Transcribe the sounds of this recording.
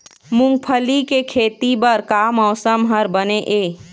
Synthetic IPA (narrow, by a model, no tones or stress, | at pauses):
mʊ̃ŋɡ̚pʰəlikekʰeːt̪ibəɾkaːmɔːsəmɦəɾbəneʔeː